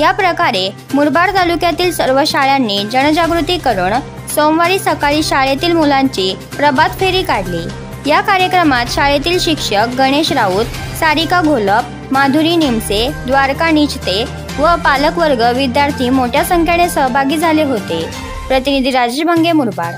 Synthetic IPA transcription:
japɾəkaɾe | muɾbaɾt̪alukjat̪iːlsəɾʋəɕaɭjanːiːd͡ʑəɳd͡ʑaɡɾut̪iːkəɾəɳ | somʋaɾiːsəkaɭiːɕaɭet̪iːlmulaɲt͡ɕiː | pɾəbad̪feɾiːkaɽliː | jakaɾjəkɾəmat̪ɕaɭet̪iːlɕikʂək̚ɡəɽ̃eɕɾauːt̪ | saɾikaɡʱoləp | mad̪ʱuɾiːnimsed̪ʋaɾkanit͡ɕt̪e | ʋəpaləkʋəɾɡəʋid̪jaɾt̪ʰiːmoʈʰjasəŋkʰjaɽ̃esəɦbʱaɡiːd͡zʱaleɦot̪e | pɾət̪inid̪ʱiɾad͡ʑeɕbʱəŋɡemuɾba̰ɾ

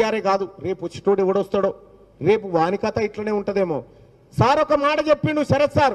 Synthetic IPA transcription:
aːɾeːɡaːd̪uɾe̞ːpot͡ʃːi̥ʈuːɖɛʋɐɽɔst̪aːɽoː | ɾe̞ːpuʋaːnikɐt̪ɐiʈlɐne̞ːuɳʈɐd̪eːmo̰ː | saːɾɔkɐmaːʈɐt͡ʃepːinuʃɐɾɐsːaːɾ

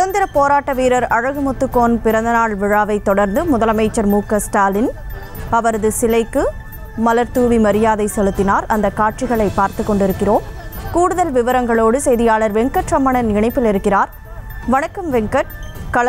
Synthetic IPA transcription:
sʊðɐnd̪ɪɾɐpoːɾaːʈːɐʋiːɾɐɾɐɻɐɣɯmʊt̪ːɯkːoːnpɪɾɐnd̪ɐnaːɭʋɪɻaːʋɐɪt̪ːɔɽɐɾnd̪ɯmʊðɐlɐmɐɪt͡ʃːɐɾmuːkːɐsʈaːlɪn | ɐʋɐɾɐðɯsɪlɐɪkːɯ | mɐlɐɾt̪uːʋimɐɾɪjaːðɐɪsɛlɯt̪ːɪnaːɾɐnd̪ɐkaːʈ̚t͡ʃɪɣɐɭɐɪpːaːɾt̪ɯkːɔɳɖɪɾɯkːɪroːmkuːɽɯðɐlʋɪʋɐɾɐŋɡɐɭoːɽɯsɛjðɪjaːɭɐɾʋɛŋkɐʈrɐmːɐɳɐnɪɳɐɪpːɪlɪɾɯkːɪraːɾ | ʋɐɳɐkːɐmʋɛŋkɐʈkɐɭ

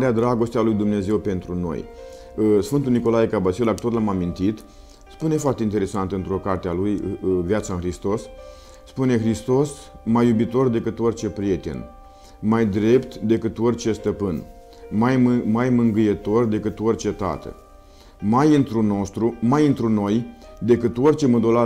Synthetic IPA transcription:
ɾead̪ɾaɡo̞st̪ealujd̪umne̞ze̞wpe̞nt̪ɾuno̞̰j | sfɨnt̪uniko̞lajekabasiilak̚t̪ot̪lamamint̪it̪ | spune̞foart̪e̞int̪ee̞sant̪ɨnt̪ɾo̞kart̪ealujvjat̪saɨnxɾist̪o̞sː | pune̞xɾist̪o̞s | majːubit̪o̞rd̪e̞kɨt̪o̞rʲt͡ʃe̞pɾije̞t̪e̞̰n | majd̪ɾe̞pt̪d̪e̞kɨt̪o̞rʲt͡ʃe̞st̪əpɨn | majmajmɨŋɡɨjet̪o̞rd̪e̞kɨt̪o̞rʲt͡ʃe̞t̪a̰t̪ə̰ | majɨnt̪ɾuno̞st̪ɾumajɨnt̪ɾuno̞j | d̪e̞kɨt̪o̞rʲt͡ʃe̞məd̪ola

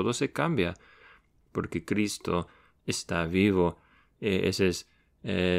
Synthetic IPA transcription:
oðosekambja | poɾkekɾist̪o | est̪aβiβo | eḛses | e

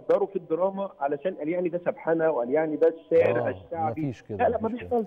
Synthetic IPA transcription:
d̪ɑɾˤufid̪ːeɾˤɑːmɑʕalæʃæːnʔæljaʕnid̪æsæbħanæwʔæljaʕnid̪æʃeːʕɾʔæʃt̪aʕbilælæʔmæbeʃfæl

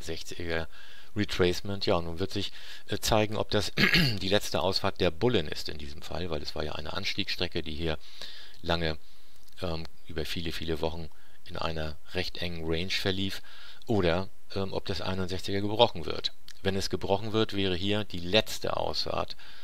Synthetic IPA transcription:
zɛçt͡sɪɡɐ | ʁitʁ̥ɛːsmɛntʰjaːnuːnvɪɐtz̥ɪç | ʔt͡saɪɡŋ̩ʔɔ̰p̚d̥asdiːlɛt͡stəʔa̰ʊsfaːɐt̚d̥eːɐbʊlənʔɪ̰stɪ̰ndiːzəm̩fa̰lvaɪlɛsv̥aːɐja̰ːʔa̰ɪnə̰ʔa̰nʃtiːksʃtʁ̥ɛkədiːɦiːɐ | laŋə | ʔɛːm | ʔyːbɐfiːləfiːləvɔχn̩ | ʔɪnʔa̰ɪnɐ | ʁɛçtʔɛŋənʁɛɪnʃfɛɐliːf | ʔoːɾɐ | ʔɛːmʔɔ̰p̚d̥asʔa̰ɪnʊntz̥ɛçt͡sɪɡɐɡəbʁɔχn̩vɪ̰ɐt | vɛnɛsɡ̥əbʁɔχn̩vɪɐtv̥ɛːʁ̞əɦiːɐd̥iːlɛt͡stə̰ʔa̰ʊsfa̰ːɐt

